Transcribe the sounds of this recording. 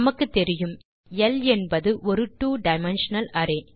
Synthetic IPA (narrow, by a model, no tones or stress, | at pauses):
mɐkːɯt̪ːɛɾɪjɯm | ɛlɛnbɐðɯʔɔɾɯʈːuːɖɐɪmɛnʂɐnɐlɐɾeː